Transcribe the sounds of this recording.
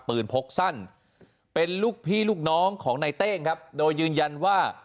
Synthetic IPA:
pɯː˨˩npʰo˦˥k̚sa˥˩n | pe˧nluː˥˩k̚pʰiː˥˩luː˥˩k̚nɔː˦˥ŋkʰɔː˩˦ŋna˧jt̪eː˥˩ŋkʰa˦˥p̚doː˧jːɯː˧nja˧nwaː˥˩

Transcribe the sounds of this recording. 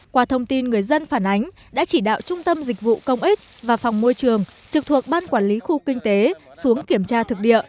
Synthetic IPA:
kwaː˧˩t̪ʰə˧wŋ͡mt̪i˧nŋɨ˨˩əjzə˧nfaː˧˩nʔa˨˦jŋ̟ | ɗa̰ː˧˥t͡ɕi˧˩ɗa̰ː˧˨wt͡ɕʊ˧ŋ͡mt̪ə˧mzï˨˩k̟̚vṵ˧˨kə˧wŋ͡mʔi˦˥t̚vaː˨˩fɔ˨˩wŋ͡mmo˧jt͡ɕɨ˨˩əŋt͡ɕɨ˨˩k̚t̪ʰu˨˩ək̚ɓaː˧nkwaː˧˩nli˨˦xu˧kï˧ŋ̟t̪e˨˦ | su˨˦əŋki˧˩əmt͡ɕaː˧t̪ʰɨ˨˩k̚ɗḭ˧˨əʔ

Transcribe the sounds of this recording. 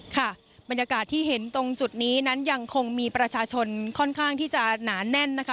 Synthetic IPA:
kʰa˥˩ | ba˧njaː˧kaː˨˩t̪ʰːiː˥˩ɦe˩˦nt̪o˧ŋt͡ɕu˨˩t̪̚niː˦˥na˦˥nja˧ŋkʰo˧ŋmiː˧pɾa˧t͡ɕʰaː˧t͡ɕʰo˧nkʰɔ˥˩nkʰaː˥˩ŋt̪ʰiː˥˩t͡ɕa˨˩naː˩˦nɛ˥˩nːa˦˥kʰ

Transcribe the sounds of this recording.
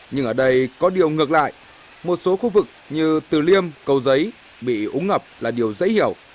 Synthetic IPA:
ɲɨ˧ŋʔəː˧˩ɗə˧jkɔ˨˦ɗi˨˩əwŋɨ˨˩ək̚la̰ː˧˨j | mo˨˩t̚so˨˦xu˧vɨ˨˩k̚ɲɨ˧t̪ɨ˨˩li˧əmkə˨˩wzə˨˦j | ɓḭ˧˨ʔu˨˦ŋŋə˨˩p̚laː˨˩ɗi˨˩əwzə̰˧˥jhi˧˩əw

